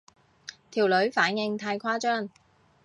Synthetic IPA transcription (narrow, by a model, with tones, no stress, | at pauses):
t̪ʰiː˨˩wlɵ˨˥ɥfaː˨˥njɪ˧ŋt̪ʰaː˧jkʰwaː˥t͡ʃœː˥ŋ